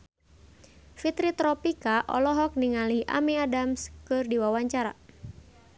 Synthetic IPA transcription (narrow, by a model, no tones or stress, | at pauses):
fit̪ɾit̪ɾɔpikaʔɔ̰lɔɦɔk̚niŋaliʔa̰miadamskɨrdiwawaɲt͡ʃaɾa̰